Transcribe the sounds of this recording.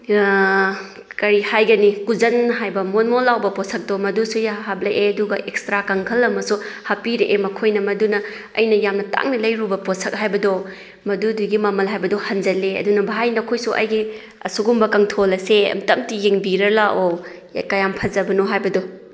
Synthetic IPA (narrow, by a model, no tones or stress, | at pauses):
kɐɾihajɡɐnikuzɐnɦajbɐmonmolːawbɐposʰɐk̚domɐdusujaɦap̚lɐʔeɐduɡɐʔek̚stɾakɐŋkʰɐlɐmɐsuhɐpiɾeʔemɐkʰojnɐmɐdunɐ | ɐ̰jnɐjamnɐta̰ŋnilɐjɾubɐposʰɐk̚ɦajbɐdo | mɐduduɡimɐmɐlɦajbɐdɔhɐnd͡ʒɐleɐ̰dunɐbaɦajnɐkʰojsuʔɐ̰jɡi | ɐ̰suɡumbɐkɐŋtʰolɐseɐ̰mtɐmtijeŋbiɾɐlaʔo | kɐjampʰɐzɐbɐnuɦajbɐdɔ